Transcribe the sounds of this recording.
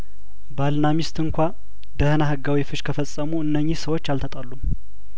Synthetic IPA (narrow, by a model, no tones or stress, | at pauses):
balnamist̪ɨŋkʷa | d̪əhnaɦɨɡːawifɨʃkʰəfəsʼəmuɨnːəɲːihsəwo̞t͡ʃːalt̪ʰət̪ʼəlːum